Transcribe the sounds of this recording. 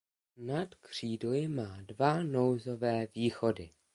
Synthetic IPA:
nat̪kr̝̥iːdlɪmaːdvano̞wzo̞vɛːviːxo̞dɪ

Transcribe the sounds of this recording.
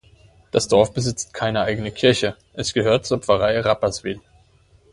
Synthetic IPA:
d̥asd̥ɔɐfb̥əzɪt͡st̚kʰaɪnəʔaɪɡənəkʰɪɐçə | ʔɛsɡ̥əɦøːɐt̚t͡suɐpfɐʁaɪəʁapɐsv̥ɪl

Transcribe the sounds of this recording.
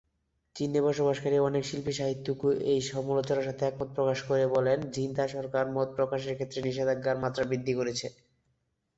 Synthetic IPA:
t͡ɕinːebɔʃobaʃkaɾiɔnekʃilpiʃaɦit̪ːukuʔejʃɔmulot͡ɕoɾaɾʃat̪ʰeɛk̚mɔt̪̚pɾokaʃkoɾebɔlend͡ʑint̪aʃɔɾkaɾmɔt̪̚pɾokaʃeɾkʰet̪ːɾeniʃed̪aɡːaɾmat̪ːɾabɾid̪ʱːikoɾet͡ɕʰe

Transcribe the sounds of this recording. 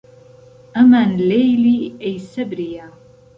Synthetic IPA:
ʔamanlejliæjsɐbɾɪja

